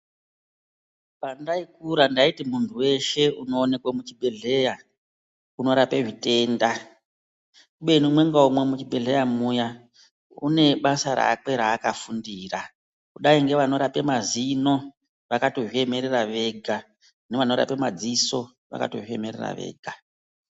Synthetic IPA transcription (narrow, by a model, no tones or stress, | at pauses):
pandaikuɾandaitimuntʰuwe̞ʃe̞uno̞ːne̞kwamut͡ʃibʱe̞ɮe̞ja | uno̞ɾape̞ʐite̞ːnda | kuɓe̞nimwe̞ŋɡaumwe̞mut͡ʃibʱe̞ɮe̞jamuja | ṵne̞ɓasaɾa̰ːk͡pe̞ɾaːkafundiːra | kuɗaiŋɡe̞ʋano̞ɾape̞mazino̞ | ʋakato̞ʐie̞me̞ɾeraʋe̞ɡʱa | neʋano̞ɾa̰pe̞mad͡ziso̞ | ʋa̰ka̰to̞ʐieme̞rera̰ʋe̞̰ːɡʱa